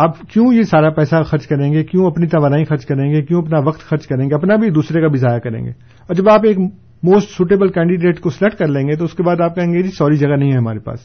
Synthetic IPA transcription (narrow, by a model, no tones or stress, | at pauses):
aːpkjõːjesaːɾapɛːsaxɐɾt͡ʃkɐɾẽːŋɡekjõːɐpnit̪ɐʋaːɾaːĩxɐɾt͡ʃkɐɾẽːŋɡekjõːɐpnaʋɐqt̪xɐɾt͡ʃkɐɾẽːŋɡeɐpnabʱid̪uːsɾekabɪzʱaːjakɐɾḛ̃ːŋɡḛː | ɔːɾd͡ʒɐbaːpeːk | moːsʈsuːʈebəlkɛ̃ːɳɖɪɖeːʈkoslɛʈkɐɾlẽːŋɡet̪̬oʊskebaːd̪aːp̚kɐɦẽːŋɡed͡ʒiːsɔːɾid͡ʒɐɡanɐɦĩɦɛɦɐmaːɾepa̰ːs